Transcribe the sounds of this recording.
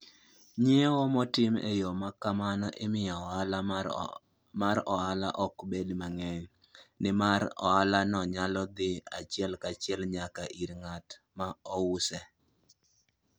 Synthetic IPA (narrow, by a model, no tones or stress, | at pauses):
ɲewɔmɔtɪmḛjɔmakamanɔʔɪmɪjɔala | maɾɔala̰ʔɔkbedmaŋɛɲ | nɪmaɾɔ̰alanɔɲalɔd̪ɪat͡ʃɪɛlkat͡ʃɪɛlɲakaʔiɾŋat | maɔwʊsɛ